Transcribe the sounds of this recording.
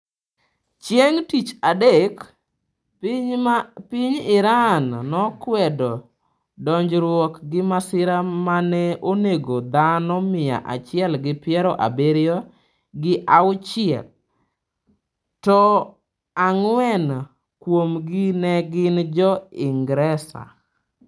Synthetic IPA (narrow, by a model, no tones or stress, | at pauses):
t͡ʃjeŋtit͡ʃadek | pɪɲɪɾanːɔkwɛdɔ | dɔɲd͡ʒɾwɔkɡɪmasɪɾamanɛoneɡod̪anɔmɪja̰ʔa̰t͡ʃɪɛlɡɪpjɛɾɔʔa̰beɾjɔ | ɡɪʔaʊt͡ʃɪɛ̰l | tɔ | aŋwɛn | kwomɡɪnɛɡɪnd͡ʒɔɪŋɡɾɛsa̰